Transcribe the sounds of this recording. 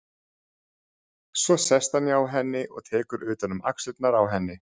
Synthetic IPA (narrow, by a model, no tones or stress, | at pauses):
svɔsɛst̪hanjɛawɦɛnːɪʔɔ̰ɣt̪ʰɛːkʏɾʏːt̪anʏma̰ksɪt̪naɾawɦɛnːɪ